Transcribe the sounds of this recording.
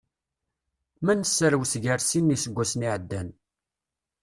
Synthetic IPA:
mænəsːəɾwsʝəɾsinːisəɡʷːæsniʕəd̪ːæn

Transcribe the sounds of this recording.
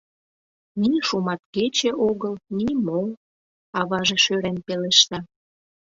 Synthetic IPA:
niʃumɑt̪ket͡ɕeʔoɣəlnimo | ɑβɑʒeʃøɾenpeleʃt̪ɑ

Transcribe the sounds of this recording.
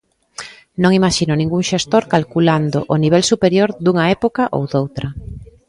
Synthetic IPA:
nõŋimaʃinʊnĩŋɡuŋʃest̪oɾkalkuland̪o̰ʔoniβɛlsupeɾjoɾd̪uŋɐɛpokɐʔo̰wd̪owt̪ɾɐ

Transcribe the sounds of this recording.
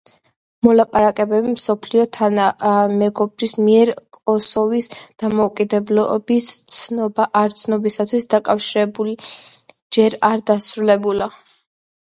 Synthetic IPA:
mɔlapʼaɾakʼɛbɛbimsɔpʰliɔt̪ʰanamɛɡɔbɾismiɛɾkʼɔsɔvisd̪̥amɔukʼid̪ɛblɔ̰b̥ist̪sʰnɔbaʔaɾt̪sʰnɔbisat̪ʰwisd̪akʼafʃiɾɛbuli | d͡ʒɛɾaɾd̪asɾulɛbula

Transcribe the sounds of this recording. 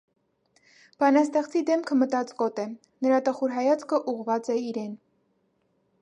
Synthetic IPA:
b̥ɑnɑst̪ɛχt͡sʰid̪ɛmkʰəmət̪ɑt͡sɡɔt̪ɛ | nəɾɑt̪əχuɾɦɑjɑt͡skʰəʔuʁvɑt͡sɛiɾɛn

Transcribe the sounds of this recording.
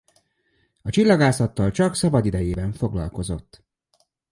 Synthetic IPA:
ɒt͡ʃilːɒɡaːsɒt̪ːɒlt͡ʃɒksɒbɒd̪id̪ɛjeːbɛɱfo̞ɡlɒ̰lko̞zo̞t̪ː

